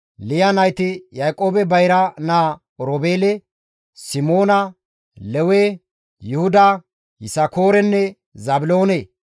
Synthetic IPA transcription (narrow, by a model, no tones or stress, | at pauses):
lɪjɐnɐjt̪ɪjɐjkʼo̞ːbɛbɐjɾɐnaː | ɔɾoːbeːlɛ | sɪmo̞ːnɐ | lɛwe | jʊhʊd̪ɐ | hɪsɐkoːɾɛnːɛ | zɐbɪlo̞ːne